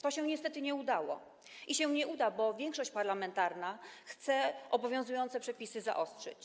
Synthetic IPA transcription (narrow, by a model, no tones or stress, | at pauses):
t̪ɔɕɛɲɛst̪ɛt̪ɘɲɛud̪awɔ̰ | ʔiɕɛɲɛʔud̪abɔvʲjɛŋkʂɔɕt͡ɕpaɾlamɛnt̪aɾnaxt̪sɛʔɔbɔvʲjɔ̃zujɔnt̪sɛpʂɛpʲisɘza̰ʔɔstʂɛ̰t͡ɕ